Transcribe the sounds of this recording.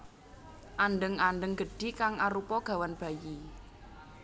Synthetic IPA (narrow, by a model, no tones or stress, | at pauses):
ʔanɖəŋaɳɖəŋɡə̤ɖ̥i̤kaŋaɾupɔɡ̥a̤wanb̥a̤ji